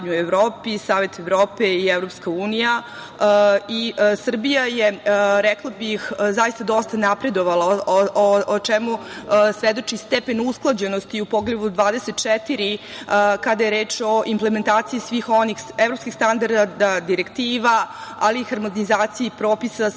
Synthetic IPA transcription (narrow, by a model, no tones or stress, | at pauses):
ɲueʋɾoːpisaːʋe̞t̪eʋɾoːpeievɾo̞pskauːnija | isr̩bijajeɾɛklˠabixzajist̪ad̪o̞st̪anapɾe̞d̪oʋalaoʔot͡ʃemusʋed̪o̞t͡ʃist̪epe̞nusklˠad͡ʑe̞nost̪iupoɡleʋud̪ʋaːd̪eset̪̚t͡ʃɛt̪iɾi | kad̪aje̞ɾe̞ːt͡ʃo̞ʔimplement̪aːt̪sijisʋiːxo̞nixevɾo̞pskixst̪and̪aɾd̪ad̪ad̪iɾekt̪iːʋaa̰liːxaɾmonizaːt̪sijipɾo̞ːpisa